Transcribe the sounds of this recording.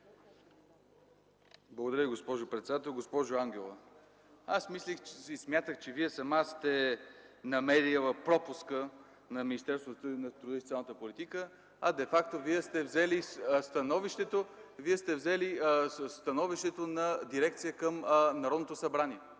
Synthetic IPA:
blˠɡod̪ɐɾjəviɡospɔʒʊpɾɛt̪sɛd̪at̪ɛlˠɡospɔʒʊaŋɡʲɛlˠə | asmislixismjat̪əxt͡ʃɛviɛsɐmast̪ɛ | nɐmɛɾivˠəpɾɔpʊskə | nɐminist̪ɛɾst̪vot̪nɐt̪ɾud̪isot̪jalˠnət̪əpolit̪ikə | ɐd̪ɛfak̚t̪oviɛst̪ɛvzɛlist̪ɐnɔviʃt̪ɛt̪oviɛst̪ɛvzɛlist̪ɐnɔviʃt̪ɛt̪onɐd̪iɾɛk̚t̪sijəkəmnɐɾɔd̪not̪osɐbɾaniɛ

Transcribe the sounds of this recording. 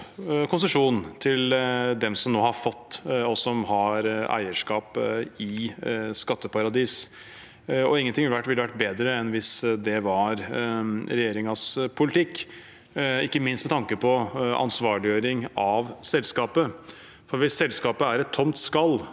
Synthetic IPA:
kʰʊnsəʂuːnt̪ʰɪld̪ɛmsɔmnoːhɑɾfɔt̪ːɔsɔmhɑɾæ̰ɪəʂkɑːpɪskɑt̪ːəpɑɾɑd̪iːs | ɔ̰ɪŋːənt̪ʰɪŋʋɪlːəʋæʈʋɪlːəʋæʈ̚beːd̪ɾəɛnʋɪsd̪ɛʋɑɾ | ɾɛjeːɾɪŋɑspʰʊlɪt̪ʰɪkː | ɪkːəmɪnst̪mɛt̪ʰɑŋkəpʰɔʔɑ̰nsʋɑːɭɪjøːɾɪŋɑʋsɛlskɑːpə | fɔɾʋɪsːɛlskɑːpəæɾɛt̪ʰːɔmt̪skɑlː

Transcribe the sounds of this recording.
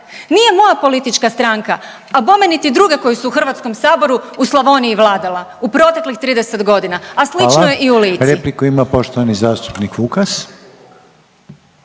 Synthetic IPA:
nije̞mo̞japo̞lit̪it͡ʃkast̪ɾaŋka | abo̞menit̪id̪ɾuɡe̞ko̞jusuːxr̩ʋat̪sko̞msaːbo̞ɾuuslˠaʋo̞niiʋlˠaːd̪ala | upɾo̞t̪e̞klixt̪ɾiːd̪ese̞t̪ɡo̞d̪inaaslit͡ʃnjeʔiuliːɾeplikuimapo̞ʃt̪oʋanizaːst̪u̥pnikukas

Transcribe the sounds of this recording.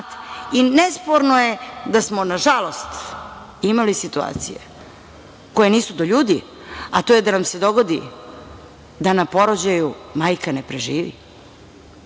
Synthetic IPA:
t̪inespo̞ɾnojed̪asmo̞naʒalˠo̞st̪ | imalisit̪ua̰ːt̪sḭjḛ | ko̞je̞niːsud̪oʎuːd̪i | at̪ojed̪anamse̞d̪o̞ɡo̞d̪ḭ | d̪anapo̞ɾod͡ʑajumaːjkanepɾeʒiːʋḭ

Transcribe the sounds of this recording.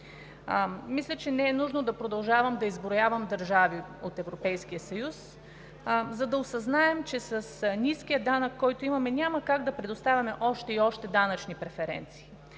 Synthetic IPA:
mislʲət͡ʃɛnɛɛnuʒnod̪ɐpɾod̪ɐlˠʒavəmd̪ɐizbɾojavəmd̪ɐɾʒaviot̪ɛvɾopɛjskijəsɐjus | zɐd̪ɐosɐznaɛmt͡ʃɛsɐsnʲiskijəd̪anəkːɔjt̪oimɐmɛnʲamɐkaɡd̪ɐpɾɛd̪ost̪avʲɐmɛʔɔʃt̪ɛiɔʃt̪ɛd̪anɐt͡ʃnipɾɛfɛɾɛ̰nt̪si̥ː

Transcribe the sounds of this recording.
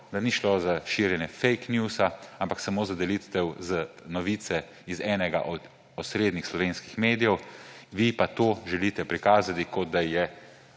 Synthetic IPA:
d̪aniʃlozaʃiːɾjɛnjɛfɛjknjusaampaksamoːzad̪ɛlit̪ɛwzənɔʋiːt̪sɛ | izɛːnɛɡa̰ʔɔd̪ | ɔsɾeːd̪nixslɔʋeːnskixmeːd̪ijɛwʋipat̪oːʒɛliːt̪ɛpɾikaːzat̪ikɔd̪̚d̪ajɛ

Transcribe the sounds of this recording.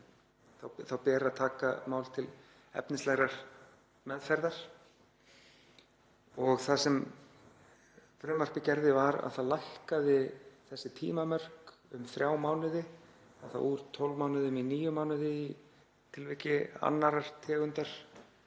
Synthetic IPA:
θawθawpɛːɾaðt̪ʰaːkamaːwlt̪ʰɪl | ɛ̰pnɪst̪lɛɣɾaɾ̥ | mɛðfɛɾðaɾ̥ | ɔɣθasɛm | fɾʏːmœr̥kɪcɛɾðɪvaɾa̰ðθaðlahkaðɪθɛsːɪt̪ʰḭːmamœr̥k | ʏmθɾjaːwmaːwnɪðɪ | aðθa̰wuɾt̪ʰːɔlvmaːwnɪðʏminiːjʏmaːwnɪðɪi | t̪ʰɪlvɪcɪa̰nːaɾaɾ̥t̪ʰɛːɣʏnt̪aɾ̥

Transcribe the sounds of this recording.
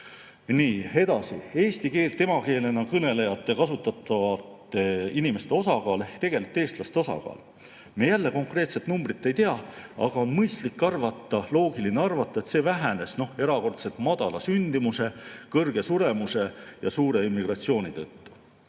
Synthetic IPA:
niːe̞d̪̥ɑsḭe̞ːst̪ike̞ːlt̪e̞mɑke̞ːle̞nɑkɤne̞le̞jɑt̪ːˑe̞kɑsut̪ːˑɑt̪ːˑɑvɑt̪ːˑeinime̞st̪e̞o̞sɑkɑːlt̪e̞ɡ̥e̞lit̪ːˑe̞ːst̪lɑst̪eo̞sɑ̰kɑ̰ːl | mejælːe̞ko̞ŋkre̞ːt̪se̞t̪numbrit̪ːˑe̞jt̪eɑɑ̰ɡ̥ɑo̞nmɤjst̪likːɑrvɑt̪ˑːɑlo̞ːɡ̥ilineɑrvɑt̪ːˑɑet̪se̞ːvæɦæne̞sno̞he̞ɾɑko̞rt̪se̞lt̪mɑd̪̥ɑlɑsynd̪̥imuse̞kɤrɡ̥e̞suɾe̞muse̞jɑsuːɾe̞imːiɡ̥rɑt̪sio̞ːnit̪ɤt̪ːu̥

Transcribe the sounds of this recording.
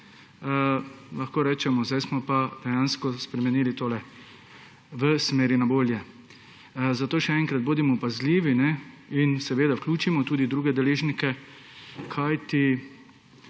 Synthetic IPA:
laxkoːɾɛːt͡ʃɛmɔzd̪ajsmɔpad̪̥ɛjaːnskɔspɾɛmɛniːlit̪oːlɛ | ʋəsmeːɾinaboːljɛ | zat̪oːʃɛɛŋkɾad̪̚boːd̪imɔpazliːʋinɛinsɛʋeːd̪awklʲuːt͡ʃimɔt̪uːd̪id̪ɾuːɡɛd̪ɛleːʒnikɛ | kʰajt̪i

